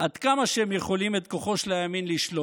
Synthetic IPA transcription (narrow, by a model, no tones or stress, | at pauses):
ʔad̪kamaʃeemje̞χo̞lime̞t̪̚ko̞χo̞ʃleaminliʃlo